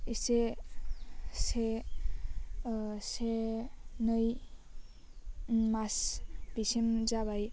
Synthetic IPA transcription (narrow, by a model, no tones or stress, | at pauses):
ise | se | se | nʌj | masbisemd͡zabaj